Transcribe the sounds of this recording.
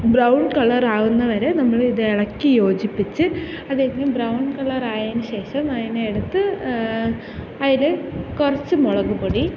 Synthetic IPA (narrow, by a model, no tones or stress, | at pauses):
brɐwɳɖkɐɭɐraːɣunːɐʋɐɾe̞nɐmːɐɭiðɨeɭɐkːijo̞ːd͡ʑipːit͡ɕːɨ | ɐðeŋɐmbrɐwɳkɐɭɐraːjaːnuɕe̞ːʂɐmɐðineːɽut̪ːɨ | ɐðilekurɐt͡ɕːɨmɔɭɐɣuboɽi